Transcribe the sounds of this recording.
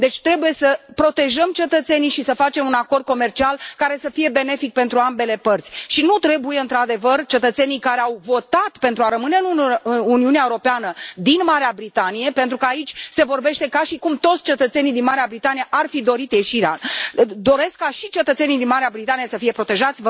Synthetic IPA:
d̪e̞t͡ʃʲt̪ɾe̞buje̞səpɾo̞t̪e̞ʒəmt͡ʃe̞t̪ət̪se̞nijʃisəfat͡ʃe̞munako̞rd̪̚ko̞me̞rt͡ʃialkaɾe̞səfije̞be̞ne̞fik̚pe̞nt̪ɾuambe̞le̞pərt̪sʲʃinut̪ɾe̞buje̞ɨnt̪ɾad̪e̞vərt͡ʃe̞t̪ət̪se̞nijkaɾeawvo̞t̪at̪pe̞nt̪ɾuaɾəmɨne̞ɨnuɨnuniuneaewuɾo̞peanəd̪inmaɾeabɾit̪anije̞pent̪ɾukəait͡ʃʲse̞vo̞rbe̞ʃt̪e̞kaʃikumt̪o̞t̪sʲt͡ʃe̞t̪ət̪se̞nijd̪inmaɾeabɾit̪anijeʔarfid̪o̞ɾit̪je̞ʃiɾea̰d̪o̞ɾe̞skːaʃit͡ʃe̞t̪ət̪se̞nijd̪inmaɾeabɾit̪anije̞səfijepɾo̞t̪e̞ʒat̪sʲv

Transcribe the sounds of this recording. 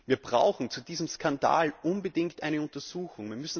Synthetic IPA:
viːɐb̥ʁa̰ʊxn̩t͡sudiːzəmskʰanda̰ːlʔʊnbədɪŋktʔaɪnəʊntɐz̥uːxʊŋviːɐmʏsn̩

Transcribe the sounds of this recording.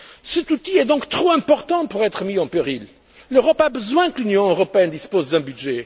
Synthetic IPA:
sɛt̪ut̪iɛd̪ɔ̃kt̪χoɛ̃pɔʁt̪ɑ̃puʁɛt̪χəmiɑ̃peʁil | løʁɔpabəzwɛ̃kəlynjɔ̃øʁɔpeɛnd̪ispozd̪ɛ̃byd̪ʒɛ

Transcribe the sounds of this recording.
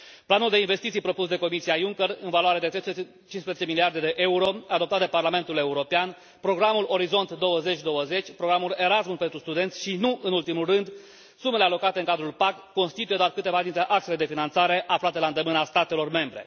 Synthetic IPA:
planuld̪e̞inve̞st̪it̪sijpɾo̞pusd̪e̞ko̞misiajuŋkʲerɨnvalaɾed̪et̪ɾejst | t͡ʃinspɾezet͡ʃe̞miliard̪e̞d̪e̞ʔe̞uɾo̞ad̪opt̪at̪d̪e̞parlame̞nt̪ule̞uɾo̞pean | pɾo̞ɡɾamulo̞ɾizo̞nt̪d̪o̞wəze̞t͡ʃʲd̪o̞wəze̞t͡ʃʲpɾo̞ɡɾamule̞ɾasmunpe̞nt̪ɾust̪ud̪e̞nt̪sʲʃinuʔɨnult̪imulrɨnd̪ | sume̞le̞alo̞kat̪e̞ɨŋkad̪ɾulpakːo̞nst̪it̪ujeoarkɨt̪e̞vad̪int̪ɾe̞ʔaksele̞d̪e̞finant̪saɾe̞ʔaflat̪e̞laɨnd̪emɨnast̪at̪e̞lo̞rme̞mbɾe̞̰

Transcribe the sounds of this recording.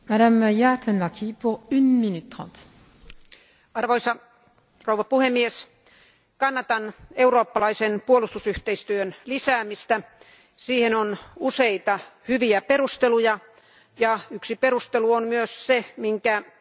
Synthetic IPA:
madamjat̪ənmɑkʰʲipuʁynminyt̪ːʁɑ̰̃ːt̪ | ɑrʋoisɑ | rouʋɑpuhemːies | kɑnːɑt̪ɑneuroːpːɑlɑisenpuolust̪usyht̪eist̪yønlisæːmist̪æ | siːhenonuseit̪ɑhyʋiæperust̪elujɑ | jɑyksipeɾust̪eluonmyøssemiŋkæ

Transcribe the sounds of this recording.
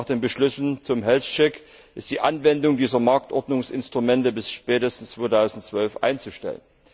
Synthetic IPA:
χd̥eːnbəʃlʏsn̩t͡sʊmɦɛlst͡ʃɛk | ʔɪst̚d̥iːʔanvɛndʊŋdiːzɐmaɐk̚tʔɔɐdnʊŋsʔɪ̰nstʁ̥umɛntəbɪsʃpɛːtəstn̩st͡sv̥oːtʰaʊzn̩tt͡sv̥œlfʔa̰ɪnt͡suʃtɛ̰lə̰n

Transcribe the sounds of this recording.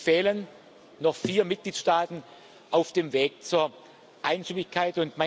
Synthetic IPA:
fɛːlən | nɔχfiːɐmɪt̚ɡ̥liːtʃtaːtn̩ | ʔaʊfd̥eːmveːk̚t͡suːɐ | ʔaɪnʃymɪçkʰaɪtʊntma

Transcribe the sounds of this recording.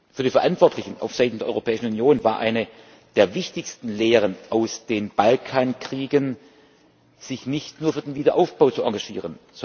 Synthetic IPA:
fyːɐdiːfɛɐʔantv̥ɔɐtlɪçn̩ʔa̰ʊfz̥aɪtn̩deːɐɔʏʁopʰɛːɪʃn̩unjoːnvaːɐʔa̰ɪnə | d̥eːɐvɪçtɪçstn̩leːʁənʔaʊsd̥eːnb̥alkʰaːnkʁ̥iːɡən | z̥ɪçnɪçtnuːɐfyːɐdenviːdɐʔaʊfb̥aʊt͡sua̰ɐɡaʒ̥ḭːʁənz

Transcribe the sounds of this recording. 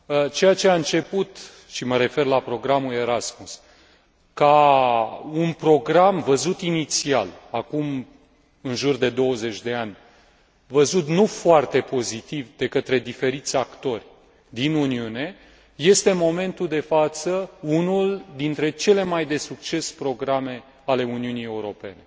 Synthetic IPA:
ət͡ʃe̞jat͡ʃe̞aɨnt͡ʃe̞put̪ | ʃiməɾe̞fe̞rlapɾo̞ɡɾamule̞ɾasmus | ka | unpɾo̞ɡɾamvəzut̪init̪sia̰lakum | ɨnʒurd̪e̞d̪o̞wəze̞t͡ʃʲd̪e̞anʲ | vəzut̪nufoart̪e̞po̞zit̪ivd̪e̞kət̪ɾe̞d̪ife̞ɾit̪sʲakt̪o̞rʲ | d̪inuniune̞ | je̞st̪e̞mo̞me̞nt̪uld̪e̞fat̪səunuld̪int̪ɾe̞t͡ʃe̞le̞majd̪e̞sukt͡ʃe̞spɾo̞ɡɾame̞ | ale̞uniunije̞uɾo̞pe̞ne̞

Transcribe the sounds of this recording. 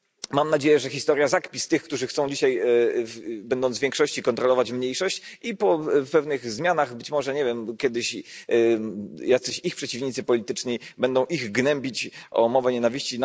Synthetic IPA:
mamnad͡ʑejɛʐɛxʲist̪ɔɾʲjazakpʲist̪ɘxkt̪uʐɘxt̪sɔ̃w̃d͡ʑiɕajvbɛnd̪ɔnzvʲjɛŋkʂɔɕt͡ɕikɔnt̪ɾɔlɔvat͡ɕmɲejʂɔɕt͡ɕipɔpɛvnɘɣzmʲjanaɣbɘt͡ɕmɔʐɛɲɛvʲjɛmkʲjɛd̪ɘɕ | jat̪sɛɕixpʂɛt͡ɕivɲit̪sɘpɔlʲit̪ɘt͡ʂɲibɛnd̪ɔ̃w̃ʔiɣɡnɛmʲbʲit͡ɕʔɔmɔvɛɲɛnavʲiɕt͡ɕin

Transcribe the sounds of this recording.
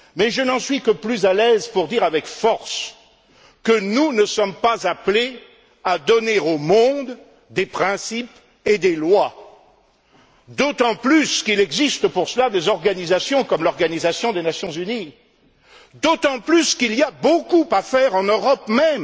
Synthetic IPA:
mɛʒənɑ̃sɥikəplyzalɛzpuʁd̪iʁavɛkfɔʁs | kənunəsɔmpazaple | ad̪ɔneomɔ̃d̪ | d̪epχɛ̃sip | ed̪elwa | d̪ot̪ɑ̃plyskilɛɡzist̪əpuʁsəlad̪ezɔʁɡanizasjɔ̃kɔmlɔʁɡanizasjɔ̃d̪enasjɔ̃zyni | d̪ot̪ɑ̃plyskiliabokupafɛʁɑ̃nøʁɔpmɛm

